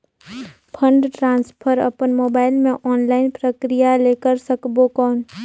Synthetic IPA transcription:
pʰə̃ɳɖʈɾãːnspʰəɾə̰pənmoːbaːɪlmẽʔɔːnlaːɪnpɾəkɾijaleːkəɾsəkbokɔːn

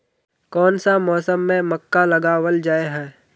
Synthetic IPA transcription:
kɔːnsamɔːsəmːẽməkːalɐɡaːwəld͡ʒaːeɦɛː

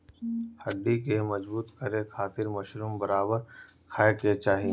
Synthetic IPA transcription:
hɐɖːikemɐd͡ʒbuːt̪kɐɾekʰaːt̪ɪɾmɐʃɾuːmbɐɾaːbəɾ | kʰaːeket͡ʃaːɦie

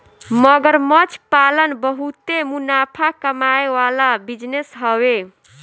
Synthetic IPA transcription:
məɡəɾmət͡ʃpalənbəɦut̪emunapʰakəmaeʋalabid͡ʒnesɦəwe

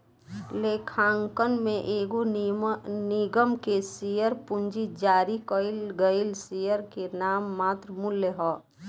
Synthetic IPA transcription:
lekʰãːŋkənmẽʔeːɡo | nɪɡəmkesijəɾpʊnd͡ʒid͡ʒaːɾikəɪlɡəɪlsijəɾkenaːmːaːt̪ɾəmʊlːjəɦɔː

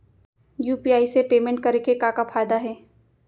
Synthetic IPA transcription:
juːpiaːisepeːmɛ̃ɳʈ̚kɐɾekekakafʰaːjd̪aɦɛː

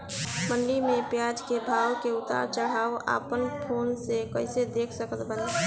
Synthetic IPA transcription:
məɳɖimẽpjad͡ʒkebʱaːwkeʊt̪a̰ɾt͡ʃəɽ̤aːwa̰ːpənpʰonsekəɪsed̪ekʰsəkət̪bən

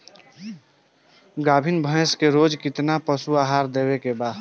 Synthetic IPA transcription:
ɡaːbʱinbʱə̃skeɾoːd͡ʒkɪt̪napəsuaːɦaːɾd̪eːwekebaːd̪

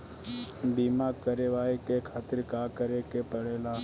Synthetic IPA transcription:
biːmaːkəɾeʋaːikekʰaːt̪ɪɾkaːkəɾekepəɽeːlaː

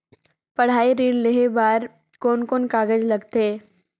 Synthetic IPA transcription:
pɐɽ̤aːiɾiːɽleɦebaːɾ | koːnkoːnkaːɡəd͡ʒlɐɡt̪eː

